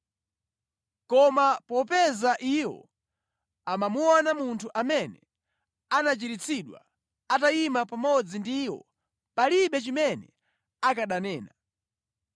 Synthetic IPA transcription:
kɔmapɔpɛzaʔiwɔ̰ | amamuɔnamuntʰuʔamɛnɛ | anat͡ʃiɾit͡sʰiɗwa̰ | ataimapamɔd͡zindiwɔ̰ | paliɓɛt͡ʃimɛnɛ̰ | akaɗanɛːna

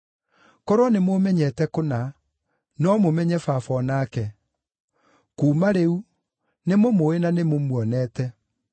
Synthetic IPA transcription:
kɔɾwɔnemomɛɲɛtɛkona | nɔmomɛɲɛfafɔnaːkɛ | kuːmaɾeu | nemomoenanemomwɔnɛtɛ

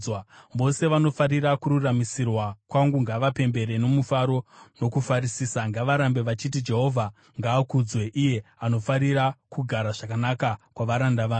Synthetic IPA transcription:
wamo̞se̞ʋano̞faɾiɾakuɾuramisirwakwaŋɡuŋɡaʋape̞mbe̞ɾe̞no̞mufaɾo̞no̞kufaɾisiːsaŋɡaʋaɾambe̞ʋat͡ʃit̬id͡ʒe̞ɦo̞vʱa | ŋɡaːkud͡zwe̞ʔije̞ano̞faɾiɾakuɡʱaɾaʐakanakakwaʋaɾandaʋaː

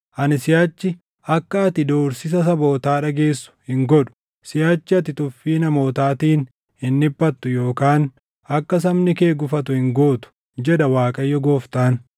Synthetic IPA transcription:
ʔɐnɪsɪjaːt͡ʃːɪ | ʔɐkːɐɐt̪ɪd̪o̞ːɾsɪs̬ɐs̬ɐbo̞ːt̪aːᶑɐɡe̞ːsːʊ̥hɪŋɡɔᶑʊ̥ | sɪjaːt͡ʃːɪɐt̪ɪt̪ʊfːiːnɐmo̞ːt̪aːt̪iːn | hɪnːɪbːɐt̪ːʊjo̞ːkaːn | ɐkːɐs̬ɐmnɪke̞ːɡʊfɐt̪ʊhɪŋɡoːt̪ʊ̥ | d͡ʒɛᶑ̪ɐwaːkʼɐjːɔɡo̞ːft̪aːn

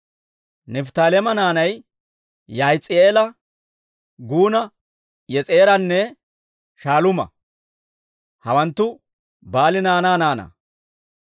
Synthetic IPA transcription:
nɛft̪aːlɛmɐnaːnɐj | jɐjt͡sʼɪeːlɐ | ɡuːnɐ | jɛt͡sʼe̞ːɾɐnːɛ | ʃaːlʊmɐ̰ | hɐwɐnt̪ːʊ | baːlɪnaːnaːnaːnɐ̰

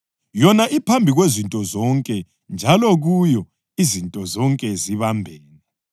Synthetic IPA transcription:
jɔnaʔipʰambʱiɣwezintʼɔzɔŋkʼɛ | nd͡ʒʱalɔɣujɔ | izintʼɔzɔŋkʼɛziβambʱɛːnɛ

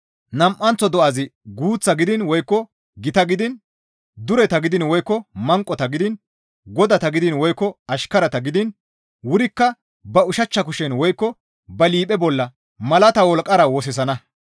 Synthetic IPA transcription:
nɐmʔːɐnt͡sɔd̪ɔʔɐzɪɡuːt͡sːɐɡɪd̪ɪnwɔjkːɔ | ɡɪt̪ɐɡɪd̪ɪn | d̪ʊɾɛt̪ɐɡɪd̪ɪnwɔjkːɔmɐŋkʼːɔt̪ɐɡɪd̪ɪn | ɡɔd̪ɐt̪ɐɡɪd̪ɪnwɔjkːɔɐʃkɐɾɐt̪ɐɡɪd̪ɪn | wʊɾɪkːɐ | bɐʊʃɐt͡ʃːɐk̬ʊʃɛnwɔjkːɔ | bɐliːpʼɛbɔlːɐ | mɐlɐt̪ɐwɔlkʼːɐɾɐwɔs̬ɛs̬ɐnɐ

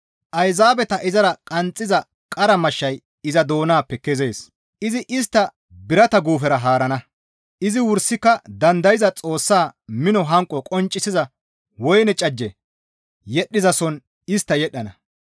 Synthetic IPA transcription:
ʔɐjzaːbɛt̪ɐʔɪzɐɾɐkʼɐnt͡sʼːɪzɐ | kʼɐɾɐmɐʃːɐj | ɪzɐd̪o̞ːnaːpːɛkːɛzeːs | ʔɪzɪʔɪst̪ːɐ | bɪɾɐt̪ɐɡuːfɛɾɐɦaːɾɐnɐ | ʔɪzɪwʊɾsːɪkːɐd̪ɐnd̪ɐjɪzɐt͡sʼo̞ːsːaːmɪnɔɦɐŋkʼːɔkʼɔnt͡ʃʼːɪsɪzɐ | wɔjnɛt͡ʃʼɐd͡ʒːɛ | jɛɗːɪzɐsɔn | ɪst̪ːɐjɛɗːɐnɐ

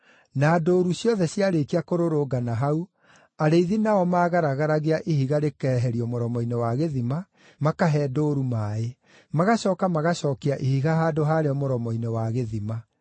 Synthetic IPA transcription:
naːdoːɾusjɔðɛsjaɾekiakoɾoɾoːɡanaɦau | aɾeiðinaɔmaːɣaɾaɣaɾaɣeaʔihiɣaɾekɛɦɛɾiɔmoɾɔmɔinewaɣeðima | makaɦɛːdoːɾumae | maɣaɕɔːkamaɣaɕɔːkeaʔihiɣaɦaːdoɦaɾeɔmoɾɔmɔinewaɣeðima

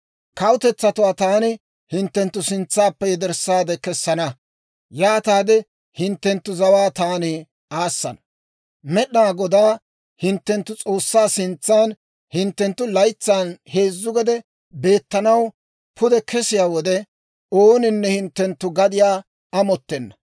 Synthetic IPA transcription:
kɐwʊt̪ɛt͡sːɐt̪ʊwaːt̪aːnɪ | hɪnt̪ːɛnt̪ːʊsɪnt͡sːaːpːɛjɛd̪ɛɾsːaːd̪ɛkɛsːɐnɐ | jaːt̪aːd̪ɛ | hɪnt̪ːɛnt̪ːʊzɐwaːt̪aːnɪ | aːsːɐ̰nɐ | mɛɗnaːɡɔd̪aː | hɪnt̪ːɛnt̪ːʊt͡sʼo̞ːsːaːsɪnt͡sːaːn | hɪnt̪ːɛnt̪ːʊlɐjt͡sːaːnhe̞ːzːʊɡɛd̪ɛ | be̞ːt̪ːɐnɐw | pʰʊd̪ɛkʰɛsɪjaːwɔd̪ɛ | oːnɪnːɛhɪnt̪ːɛnt̪ːʊɡɐd̪ɪjaː | ɐmɔt̪ːɛnːɐ

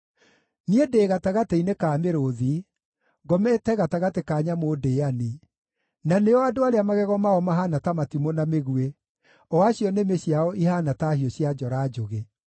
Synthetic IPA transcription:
niedeːɣataɣateinekaːmeɾoði | ɡɔmɛtɛɣataɣatekaːɲamoːdeani | naneɔadoaɾeamaɣɛɣɔmaɔmaɦanatamatimonameɣue | ɔaɕiɔnemeɕjaɔʔihanataːɦiɔɕjad͡ʒɔɾad͡ʒoɣe

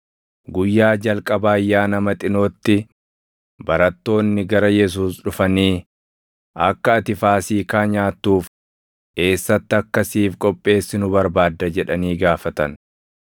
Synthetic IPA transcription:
ɡʊjːaːd͡ʒɐlkʼɐbaːjːaːnɐmɐt̪ʼɪnoːt̪ːɪ | bɐɾɐt̪ːo̞ːnːɪɡɐɾɐjɛs̬uːsᶑʊfɐniː | ʔɐkːɐːt̪ɪfaːsiːkaːɲaːt̪ːuːf | ʔe̞ːsːɐt̪ːɪɐkːɐsiːfkʼɔpʼːe̞ːsːɪnʊbɐɾbaːd̪ːɐd͡ʒɛᶑɐniːɡaːfɐt̪ɐn

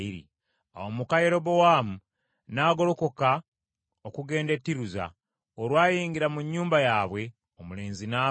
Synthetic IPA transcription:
iɾḭ | a̰womukajeɾo̞bo̞waːmu | naːɡo̞lo̞ko̞ka | okuɡe̞ːnde̞tːiɾuza̰ | oɾwaːjiːŋɡiɾamuɲːuːmbajaːβwe̞ | omule̞ːnzinaː

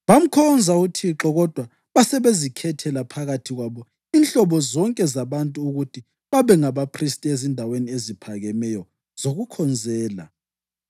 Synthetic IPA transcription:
βam̩kʰɔnd͡zʱautʰiǁɔɣɔd̥ʱwa | βasɛβezikʰɛtʰɛlapʰaɣatʰiɣwaβɔ | inɬɔβɔzɔŋkʼɛzaβantʼuuɣutʰi | βaβɛŋaβapʰristʼezindʱaweniezipʰaɣɛmɛjɔ | z̥oɣukʰɔnd͡zʱɛːla̰

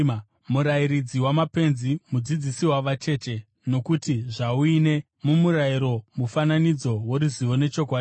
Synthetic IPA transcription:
muɾaiɾid͡ziwamape̞nzimud͡zid͡zisiwaʋat͡ʃe̞ːt͡ʃe̞ | no̞kutiʐauine̞ | mumuɾaiɾo̞mufananid͡zo̞woɾuziʋo̞ne̞t͡ʃo̞k̬waːi

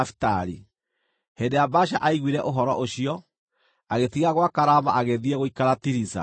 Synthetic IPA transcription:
fi̥taɾi | hendejabaɕaʔaiɣwiɾɛʔoɦɔɾɔʔoɕiɔ | aɣetiɣaɣwakaɾamaʔaɣeðiɛɣoikaɾatiɾisa̰

